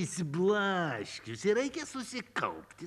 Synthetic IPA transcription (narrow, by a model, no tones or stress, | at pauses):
ɪsʲblˠɑʃʲkʲʊsɪɾɐɪkʲɛsʊsʲɪkɐ̰lˠpʲt̪ʲɪ